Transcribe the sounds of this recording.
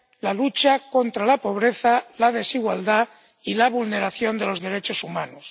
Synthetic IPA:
lalut͡ʃako̞nt̪ɾalapo̞β̞ɾeθalað̞e̞siɣwald̪a | ilaβulne̞ɾaθjo̞nd̪e̞lo̞zðe̞ɾe̞t͡ʃo̞sumanos

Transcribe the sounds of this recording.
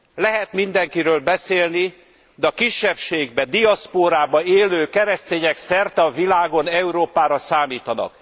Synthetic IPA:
lɛɦɛt̪mind̪ɛŋkiɾøːlbɛseːlni | d̪ɛɒkiʃːɛpʃeːɡbɛd̪iɒspoːɾaːbɒeːløːkɛɾɛst̪eːɲɛksɛrt̪ɛɒvilaːɡo̞nɛuɾoːpaːɾɒsaːmiːt̪ɒnɒ̰k

